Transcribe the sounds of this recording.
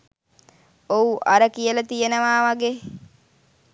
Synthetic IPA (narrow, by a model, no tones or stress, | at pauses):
ouʔaɾəkijəlat̪ijənəʋaːʋaɡeː